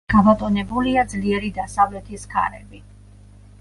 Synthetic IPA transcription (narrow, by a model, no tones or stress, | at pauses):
ɡ̥amɔt̪ʼɔnɛbuliad̪zliɛɾid̪asavlɛt̪ʰiskʰa̰ɾɛbi